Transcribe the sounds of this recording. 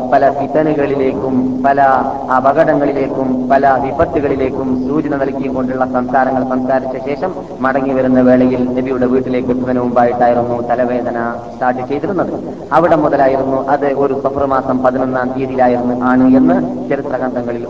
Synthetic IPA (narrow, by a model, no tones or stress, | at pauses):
pɐlɐsit̪ɐnuɣɐɭile̞ːkːumpɐlɐː | bɐɣɐɽɐŋːɐɭile̞ːkːumpɐlɐʋibɐt̪ːuɣɐɭile̞ːkːumsuːd͡ʑɐnɐnɐlkːijumko̞ɳɖuɭːɐsɐmsaːɾɐŋːɐɭsɐmsaːɾit͡ɕːɐɕe̞ːʂɐmː | ɐɽɐŋːiʋɐɾunːɐʋe̞ːɭɐjilnebijuɽe̞ʋiːʈːile̞ːkːɨpːiðɐnɐmumbaːjiʈːaːjiɾunːut̪ɐlɐʋe̞ːd̪ɐnɐ | sʈaːʈːɨt͡ɕe̞jt̪iɾunːɐðɨ | ɐʋiɽe̞muðɐlaːjiɾunːuʔɐðɨʔo̞ɾusɐfʰɐrɨmaːsɐmpɐðinonːaːnt̪iːðiilaːjiɾunːuʔaːɳɨe̞nːɨt͡ɕɐɾit̪rɐɣɐnd̪ɐŋːɐɭil